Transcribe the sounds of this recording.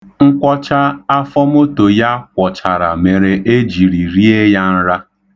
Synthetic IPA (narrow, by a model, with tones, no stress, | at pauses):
ŋ̩˦kʷɔ˦t͡ʃa˦a˦fɔ˦m˦o˦to˨ja˦kʷɔ˨t͡ʃa˨ɾa̰˨me˨ɾe˨ʔe˦d͡ʒi˨ɾi˨ɾi˦e˦ja˦n̩˦ɾa˦